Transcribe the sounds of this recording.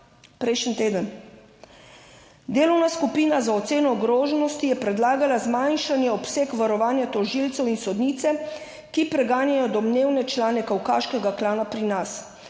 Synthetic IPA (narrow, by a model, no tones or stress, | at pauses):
pɾɛjʃənt̪eːd̪ən | d̪eːlɔwnaskupiːnazaɔt̪seːnɔːɡɾoːʒɛnɔst̪ijɛpɾɛd̪laːɡalazmajnʃanjɛɔpseːkʋaɾɔʋaːnjat̪ɔʒilt̪sɛwinsɔd̪niːt̪sɛ | kipɾɛɡaːnjajɔd̪ɔmneːwnɛt͡ʃlaːnɛkawkaːʃkɛɡaklaːnapɾinas